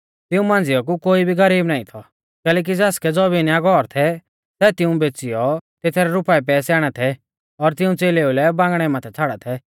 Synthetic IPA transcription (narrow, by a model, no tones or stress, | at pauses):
t̪ɪũmãːn̆d͡zɪɔk̬ukoːibʱiɡɐɾiːbnaːĩt̪ʰɔ | kɛːlɛːk̬id͡zɛːskɛd͡zɔːbiniaɡɔːɾt̪ʰɛ | sɛːt̪ɪũbeːt͡sɪjɔt̪et̪ʰɛɾɛɾʊpaːɛp̬ɛːsjaːɽ̃ɛt̪ʰɛ | ɔɾt̪ɪũt͡seːleːulɛbãːŋɡɽ̃ɛmãt̪ʰɛt͡sʰaːɽat̪ʰɛ